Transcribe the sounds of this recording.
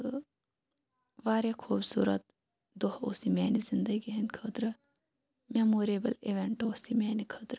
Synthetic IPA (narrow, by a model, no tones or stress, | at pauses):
ʋaːɾjakʰuːbsṵːɾɐ̰t̪̚ | d̪oɦo̰simɛːnizɪnd̪əɡiɦɐnkʰət̪ɾɐ | memoːɾeːbɐleʋeɳʈoːsimɛːnikʰət̪ɾ